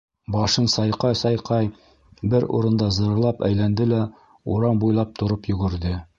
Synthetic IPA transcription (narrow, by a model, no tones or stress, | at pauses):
bɑʃɤnsɑjqɑjsɑjqɑj | bɘɾṵɾɤ̆nd̪ɑzɤ̆ɾɤ̆lˠɑpæ̰jlænd̪ɘlæ | ṵɾɑmbujlˠɑp̚t̪ŏɾɤpjɵ̆ɡɘ̆ɾd̪ɘ